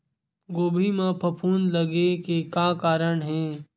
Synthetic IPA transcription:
ɡoːbʱimãpʰɐpʰuːnlɐɡekekaːkaːɾəɳɦɛ̃ː

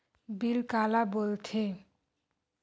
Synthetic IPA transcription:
bilkalaboltʰe

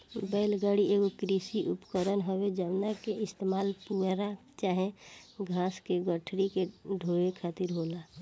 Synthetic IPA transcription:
mʊbaɪlɡaɽieɡokɾisiʔupkəɾənɦəwed͡ʒəbnakeɪst̪emaːlpuɾa | t͡ʃaːɦeɡʱaːskeɡəʈʰɽikeɖʱoekʰaːt̪iɾɦola

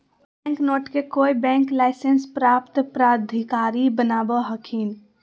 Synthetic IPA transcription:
ɛ̃ŋknoʈkekoibɛ̃ŋklaɪsenspɾapt̪pɾad̪ʱikaɾibənabəɦəkʰin

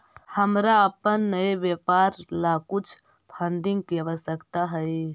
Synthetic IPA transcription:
həmɾaəpənːəjbjepaɾlakut͡ʃʰ | pʰəɳɖĩŋɡkiəbəsəkt̪aɦəj

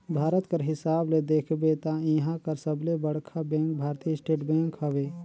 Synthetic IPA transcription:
bʱaːɾət̪kəɾɦɪsaːbled̪eːkʰbet̪aiɦãkəɾsəblebəɽkʰabɛ̃ːŋk̚bʱaːɾt̪iːɪsʈeːʈbɛ̃ːŋkɦəʋeː

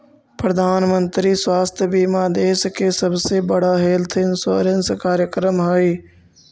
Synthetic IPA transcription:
pɾɐd̪ʱaːnmə̃nt̪ɾiswaːst̪ʰjəbiːmãːd̪eːskʰeːsəbsebəɽ̤aɦeːlt̪ʰɪnsa̰ːɾənskaːɾjəkɾəmɦaːiː

